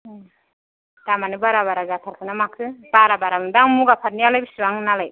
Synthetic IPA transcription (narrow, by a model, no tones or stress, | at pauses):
tamanɯbaɾaβaɾazatʰaɾkʰɯnamakʰɯbaɾabaɾamɯdaŋmuɡapʰat̚nijalajbisɯwaŋɯnalaj